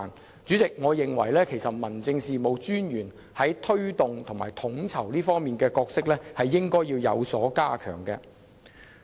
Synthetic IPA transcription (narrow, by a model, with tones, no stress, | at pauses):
n | t͡sy˨˥t͡sɪ˨k̚ŋɔː˨˧jɪ˨ŋwɐ̰˨˩jlɛː˥kʰe˨˩jsɐ˨t̚mɐ˨˩nt͡sɪ˧ŋsiː˨mo˨˧wt͡ʃyː˥njyː˨˩n | hɐ˨˥jt̪ʰɵ˥ɥt̪ʊ˨ŋt̪ʰʊ˨˩ŋmaː˨˩jt̪ʰʊ˨˥ŋt͡sʰɐ˨˩wliː˥fɔː˥ŋmiː˨nkɛː˧kɔː˧k̚sɪ˥k̚lɛː˥hɐ˨jːɪ˥ŋkɔː˥jiː˧wjɐ̰˨˧wsɔː˨˥kaː˥kʰœ̰ː˨˩ŋkɛː˧